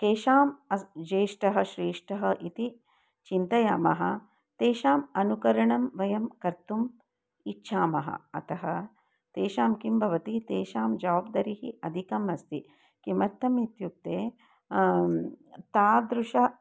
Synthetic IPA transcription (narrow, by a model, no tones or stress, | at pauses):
keːʃaːmɐd͡ʒeːʂʈɐɦɐ̆ʃɾeːʂʈɐɦɐʔit̪i | t͡ʃint̪ɐjaːmɐɦɐ̰̆ | t̪eːʃaːmɐnukɐɾɐɳɐmʋɐjɐmkɐɾt̪um | itːʃʰaːmɐɦɐ̰̆ɐ̰t̪ɐɦɐ̆ | t̪eːʃaːmkimbʱɐʋɐt̪it̪eːʃaːmd͡ʒaʋːbd̪ɐɾiɦḭɐd̪ʱikɐmɐst̪i | kimɐɾt̪ːɐmit̪juk̚t̪eː | t̪aːd̪ɾuʃɐ